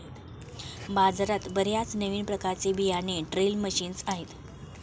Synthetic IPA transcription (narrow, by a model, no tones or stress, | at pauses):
bad͡zɾat̪bəɾjat͡snəʋiːnpɾəkaɾt͡sebijaneʈɾelməɕiːnsaɦet̪